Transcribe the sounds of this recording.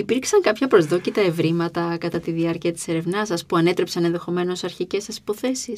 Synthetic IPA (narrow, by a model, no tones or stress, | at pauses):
ipiɾksɐŋkɐpçɐpɾo̞zðo̞cit̪ɐe̞vɾimɐt̪ɐkɐt̪ɐt̪iðiɐɾciɐt̪i̥se̞ɾe̞vnɐsɐspuɐne̞t̪ɾe̞psɐnenðe̞xo̞me̞no̞sɐɾçice̞sːɐsi̥po̞θe̞sis